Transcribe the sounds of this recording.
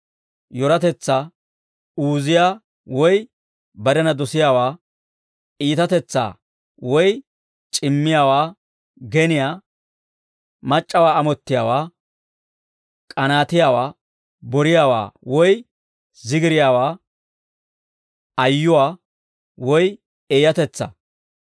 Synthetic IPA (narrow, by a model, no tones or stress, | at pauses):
jɔɾɐt̪ɛt͡sːaː | uːzɪjaː | wɔj | bɐɾɛnɐd̪ɔsɪjaːwaː | iːt̪ɐt̪ɛt͡sːa̰ː | wɔj | t͡ʃʼɪmːɪjaːwaː | ɡɛnɪjaː | mɐt͡ʃʼːɐwaːɐmɔt̪ːɪjaːwaː | kʼɐnaːt̪ɪjaːwaː | bɔɾɪjaːwa̰ːwɔj | zɪɡɪɾɪjaːwaː | ɐjːʊwaː | wɔj | eːjɐt̪ɛt͡sːɐ̰